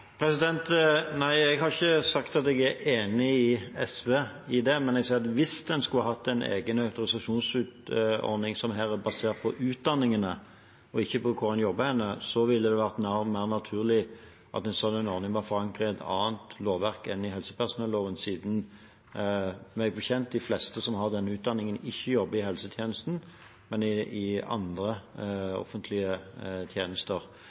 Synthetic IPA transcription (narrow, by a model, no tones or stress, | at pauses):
pʰɾɛsɪd̪ɛnt̪næɪɛɡhɑɾɪçːəsɑkt̪ɑt̪ɛɡæɾeːnɪɪɛsʋeː | ɪd̪ɛmɛnɛɡsɛːɾɑt̪ʋɪsd̪ɛnskʉlːəɦɑt̪ːɛnʔḛːɡənɑʉt̪ʊʁɪsɑʂuːnsʉːt̪ɔ̰ɾnɪŋsɔmɦæːʁæbɑseːʁt̪̚pʰɔʔʉːt̪̚d̪ɑnːɪŋənə | ɔɪçːəpɔkʰʊɾɑnjɔbːəhɛnːəsɔʋɪlːəd̪ɛʋæʁt̪næʁmæɪʁnɑt̪ʰʉːʁlɪ | ʔɑ̰t̪ɛɪnsɔlːənɔɾnɪŋʋɑfɔʁɑŋkʁəɛt̪ʰɑ̰ːənt̪loːʋæʁkɛnɪɦɛlsə̥pʰæʁsʊnɛlːoːʋənsiːd̪n̩ | mɛɡ̚bəçɛnt̪̚d̪ɪflɛst̪əsɔmɦɑʁd̪ɛnːəʉːt̪̚d̪ɑnːɪŋənɪçːəjɔbːəɪɦɛlsət̪ʰjeːnəst̪n̩ | mɛnɪɪɑ̰nd̪ʁəɔ̰fənt̪ʰlɪət̪ʰjeːnəst̪əʁ